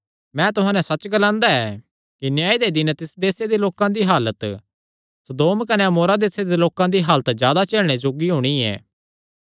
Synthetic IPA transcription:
mɛ̃ːt̪ʊɦãːnɛ̃sɐt͡ʃɡɐlãːnd̪aɛː | kinjaːid̪ed̪ɪnt̪ɪsd̪eːsed̪eloːkãd̪iɦaːlət̪ | sɐd̪oːmkɐneɐmoːɾad̪eːsed̪eloːkãd̪iɦaːlət̪d͡ʒjaːd̪at͡ʃeːlɽ̃ed͡ʒoːɡiɦʊɽ̃iɛ̰ː

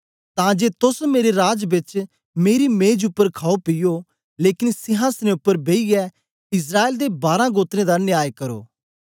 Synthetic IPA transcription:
t̪ãd͡ʒeːt̪ʊsmeːɾeɾaːd͡ʒbɪt͡ʃ | meːɾimẽːd͡ʒʊpːəɾkʰaːopɪjo | leːkɪnsɪɦãːsnẽʊpːəɾbʱeːiɛ | ɪs̬ɾaːeːld̪ebaːɾãɡoːt̪ɾẽd̪anɪjaːjkɐɾo̰ː

